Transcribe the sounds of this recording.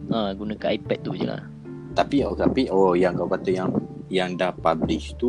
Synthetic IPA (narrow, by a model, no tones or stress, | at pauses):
ʔãɡunə̃kaʔaipɛt̪̚t̪ud͡ʒə̰la̰h | t̪apiot̪apiʔojaŋkawkat̪ajaŋjaŋdahpabliʃt̪u